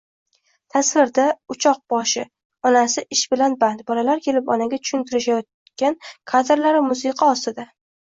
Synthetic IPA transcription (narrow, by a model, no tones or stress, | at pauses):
t̪ʰasvɪɾd̪aʊt͡ʃʰɒq̚bɒʃɪ | ɒnasɪʔɪʃbɪlanbant̪bɒlalaɾkʲʰe̞lɪpɒnaɡʲat͡ʃ̪ʰʊ̥ʃʊnt̪ʰɪɾɪʃajɒt̪̚ | kʲankʰad̪ɾlaɾɪmʊsɪqʰɑɒst̪ɪd̪a